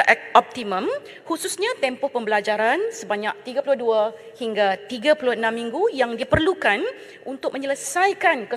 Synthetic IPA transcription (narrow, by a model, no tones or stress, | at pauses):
ʔɛk̚ʔɔp̚t̪imə̃m | hususɲãt̪ɛmpɔhpəmbəlad͡ʒaɾansəbaɲak̚t̪iɡapulʊhdua | hiŋɡat̪iɡapulʊənãmːĩŋɡujaŋdipərlukan | unt̪ʊk̚mə̃ɲələsajkankə